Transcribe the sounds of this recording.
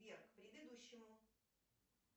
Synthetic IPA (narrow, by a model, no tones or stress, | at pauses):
erkpɾʲɪd̪ɨd̪uɕːɪmʊ